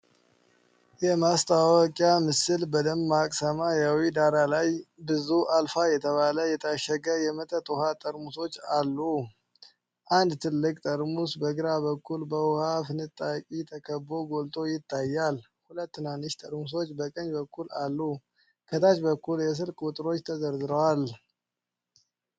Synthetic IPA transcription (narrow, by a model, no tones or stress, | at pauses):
jɛmast̪ʰawwɔkʼjamɨsɨlbəd̪əmːakʼsəmajawid̪aɾalajbɨzuʔalfajɛt̪ʰəβaləjɛt̪ʰəaʃːəɡəjɛmət̪ʼət̪ʼuhat̪ʼəɾmuso̞t͡ʃːalːu | ʔand̪t̪ʰɨlːɨkʼt̪ʼəɾmusbəɡɨɾaβəkʰːulbəwhafɨnɨt̪ʼːakʼit̪ʰəkʰəbːo̞ɡo̞lt̪ʼo̞jɪt̪ʰːajːal | hulət̪ːɨnanːɨʃt̪ʼəɾmus̬o̞t͡ʃːbəkʼəɲbəkʰːulalːu | kʰət̪ʰat͡ʃbəkːuljɛs̬ɨlkʼut̪ʼɾo̞t͡ʃːt̪ʰəzəɾzɨɾəwal